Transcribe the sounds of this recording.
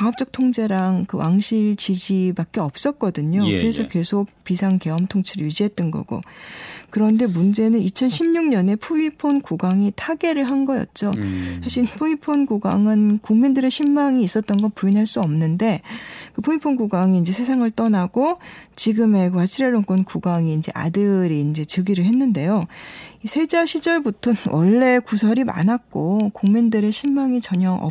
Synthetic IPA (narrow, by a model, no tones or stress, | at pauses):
kaŋʌp̚t͡ɕ͈ʌk̚tʰoŋd͡ʑe̞ɾaŋkɯwʔa̰ŋɕʰiɭt͡ɕid͡ʑibak͈eʌp̚s͈ʌt̚k͈ʌdɯɲokɯɾe̞sʰʌke̞ɭsʰok̚pisʰaŋke̞ʌmtʰoŋt͡ɕʰiɾɯjud͡ʑiɦe̞t̚t͈ʌnɡʌ̰ɡ̥o̰kɯɾʌnde̞mund͡ʑe̞nɯnit͡ɕʰʌnɕʰimɲuŋɲʌne̞pʰuipʰonkoɡaŋitʰaɡe̞ɾɯɭɦanɡʌjʌ̰t̚t͡ɕ͈osʰaɕʰiɭpʰuipʰonɡoɡa̰ŋɯnkuŋmindɯɾe̞ɕʰimːaŋiːs͈ʌt̚t͈ʌnɡʌpuinɦaɭs͈uʌmnɯnde̞kɯpʰuipʰonɡoɡaŋiːnd͡ʑe̞sʰe̞sʰaŋɯɭt͈ʌnaɡ̥ot͡ɕiɡɯme̞kɯwat͡ɕʰiɾeɾoŋk͈ʌnkuɡaŋiːnd͡ʑe̞̰ʔa̰dɯɾiːnd͡ʑe̞t͡ɕɯɡiɾɯɭɦe̞nːɯnde̞joisʰe̞d͡ʑaɕʰid͡ʑʌɭbutʰʌnwʔʌ̰ɭːe̞kusʰʌɾima̰nak̚k͈okuŋmindɯɾe̞ɕʰimːaŋit͡ɕʌɲʌʔʌ̰